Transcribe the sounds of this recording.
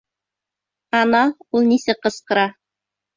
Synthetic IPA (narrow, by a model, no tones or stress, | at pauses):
ɑnɑulˠnisɘqɤ̆sqɤ̆ɾɑ